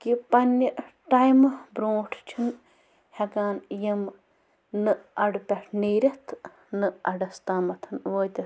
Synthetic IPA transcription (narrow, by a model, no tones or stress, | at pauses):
kipɐnʲjɐ | ʈajmbɾõːʈʰt͡ʃʰɨn | hɐɡaːnjɐm | nɨɐɖpʲɐʈʰniːɾʲɐt̪ʰ | nɨɐɖɐst̪aːmɐt̪ʰɐnʋoːt̪ʲɐ